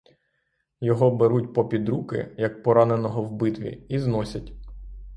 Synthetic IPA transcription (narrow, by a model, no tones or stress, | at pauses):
jɔɦɔbeɾutʲpɔpʲid̪ɾukɪ̰jɐk̚pɔɾɑnenɔɦɔwbɪt̪ʋʲḭiznɔsʲɐtʲ